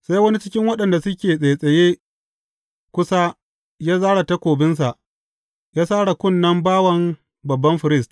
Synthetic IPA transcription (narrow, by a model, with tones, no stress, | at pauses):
sa˦jwɐ˦ni˦t͡ʃɪ˦kʲɪ˦ŋwɐ˦ɗɐ˨nda˨sʊ˦kʲeː˨sʼe˨sʼɐ˨jeː˦ | kʷʊ˦sa˦ | jaː˦zaː˦ɽa˨ta˦kʷoː˨bɪ˦ns̬a˨ʔ | jaː˦saː˦ɽa˨kʷʊ˦˨nːɐ˦mbaː˦wɐ˦m | bɐ˨bːɐ˦mɸɪ˨ɾɪ˦˨st